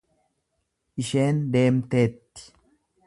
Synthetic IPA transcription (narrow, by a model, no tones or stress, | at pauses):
ʔɪʃe̞ːnd̪e̞ːmt̪e̞ːt̪ːɪ̥